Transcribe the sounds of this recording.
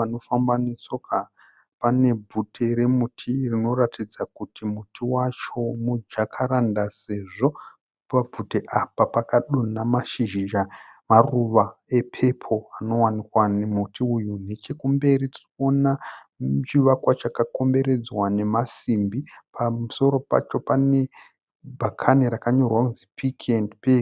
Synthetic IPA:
ano̞fambanesoka | pane̞b͡vutʰeɾe̞mutʰirino̞ratid͡zakutimutʰiwat͡ʃo̞mud͡ʒakʰaɾandase̞ʐo̞ | pab͡vuteʔapapakaɗonamaʃiʒiʒa | maruʋae̞pʰe̞pʰo̞ano̞wanikwanemutʰiujune̞t͡ʃe̞kumbe̞ɾitirikona | t͡ʃiʋakwat͡ʃakako̞mbe̞ɾe̞d͡zwane̞masimbipʰamuso̞ɾo̞pa̰t͡ʃo̞pane̞ | bʱakʰaniɾakaɲo̞rwakunzipʰikʰendpe

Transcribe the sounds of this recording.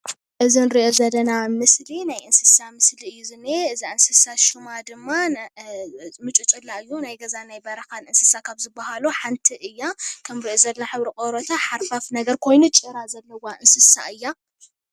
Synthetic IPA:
ʔɨzinɾiʔozɐlːɐnamɨslinajʔɨnsɨ̥samɨsliɨjːuzɨneɨzaɨnsɨsaʃumad̪ɨmːa | mɨt͡ʃʼut͡ʃʼɨlːaɨjːunajɡɐzanajbɐɾɐkanɨnsɨsakʰaβzɨbːahaluħant̪ʰiʔɨjːakʰɐmɾiʔozɐlɐnaħɨβɾikʼoɾot̪ʰaħaɾfafnɐɡɐɾkʰo̞jnut͡ʃʼɨɾazɐlːɐwaʔɨnsɨsa̰ʔɨjːa

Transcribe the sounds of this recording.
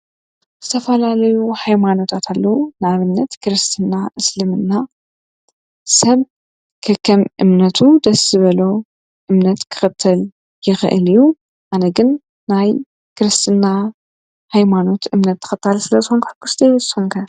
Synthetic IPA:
z̥ɨt̪ʰɐfɐlalɐjuhajmano̞t̪ʰat̪ʰalːɐwunaβɨnːɐt̪kʰɨɾɨst̪ʰɨnːaɨslɨmɨnːa | sɐβ | kʰɐkʰːɐmʔɨmnɐt̪ʰud̪ɐsːɨβɐlo̞ | ʔɨmnɐt̪kʰɨ̥xɨt̪ʰːɐl | jɪxɨʔɨ̰liju | ʔanɐɡɨnː | aj | kʰɨɾɨst̪ʰɨnːa | hajmano̞t̪ɨmnɐt̪ʰːɐ̥xɨt̪ʰːalsɨlɐzɨxonkħkːusd̪ɐjwxoŋkʰɐ

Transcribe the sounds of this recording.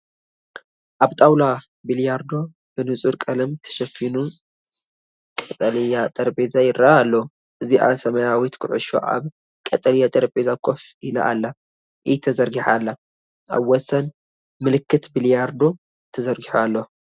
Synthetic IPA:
ʔaβt̪ʼawla | biljaɾd̪o̞ | b̥ɨnɨt͡sʼuɾkʼɐlɐmt̪ʰɐ̥ʃɐfinu | kʼɐt̪ʼɐlijat̪ʼɐɾpʼezajɪɾaːlːɐ | ʔɨziʔa̰sɐmɐjawit̪kʰɨʕʊ̰ʃo̰ʔa̰β | kʼɐt̪ʼɐljat̪ʼɐɾpʼezakʰʼofila̰ʔa̰lːa | ʔɨjɛt̪ʰɐzɐɾɡiħalːɐ | ʔa̰βwɔsɐn | mɨlɨkːɨt̪biljaɾd̪o̞ | t̪ʰɐzɐɾɡiħualːɐ

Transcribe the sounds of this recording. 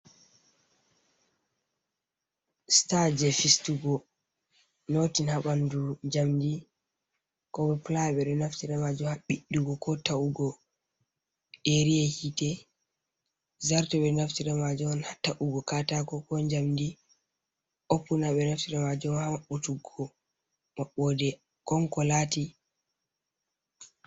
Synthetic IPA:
stad͡ʒɛfistuɡɔ | notinhaɓanduɲd͡ʒamdi | kɔɓɛplajɓɛɗɔnaftiɾamad͡ʒumhaɓiɗːuɡɔkɔtauɡɔ | ɗeɾijɛhitɛ | zaɾtɔɓɛnaftiɾɛmad͡ʒunhataʔuɡɔkatakɔkɔɲd͡ʒamdi | ʔopːunaɓɛnaftiɾɛmad͡ʒumhaaɓutuɡɔ | maɓɔdɛ | kɔŋkɔlati

